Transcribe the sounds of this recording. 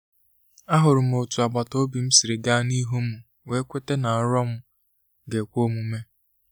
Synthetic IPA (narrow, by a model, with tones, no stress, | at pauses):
a˦ɦʊ˨ɾʊ˨m̩˨o˨tu˨a˨ɡ͡ba˨to˦bi˨m̩˦si˨ɾe˨ɡa˦ni˦ɦu˦m̩˨ | we˦kʷe˦te˦na˨ɔ˦ɾɔ˦m̩˦ | ɡe˨kʷo˦mu˦me˦